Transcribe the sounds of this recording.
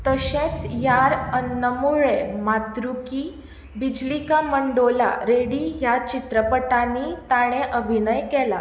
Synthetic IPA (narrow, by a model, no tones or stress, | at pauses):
t̪əɕẽt͡sjaɾənːəmuɭemat̪ɾuki | bid͡ʑlikaməɳɖola̰ɾeɽijat͡ɕit̪ɾəpəʈãnit̪aɽ̃eʔəbʱinəjkɛla